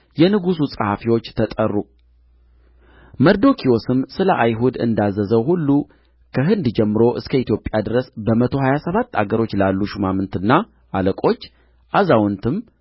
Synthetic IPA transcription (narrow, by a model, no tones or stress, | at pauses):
jɛnɨɡususʼəhafiwo̞t͡ʃːt̪ʰət̪ʼərːu | məɾd̪o̞kʰio̞sɨmsɨləʔajɦud̪ɨ̰nd̪azːəzəwhulːu | kʰəɦɨnd̪d͡ʒɛmːɨɾo̞ʔɨskʰəit̪jo̞pʼjad̪ɨɾəsbəmət̪ʰo̞ɦajasəβat̪ːa̰ɡəɾo̞t͡ʃːlalːuʃumamɨnt̪ɨnːa | ʔaləkʼo̞t͡ʃː | ʔazawnt̪ʰɨm